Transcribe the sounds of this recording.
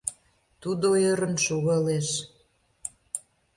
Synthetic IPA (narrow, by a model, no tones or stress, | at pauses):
t̪ud̪ojəɾə̆nʃoɣɑleʃ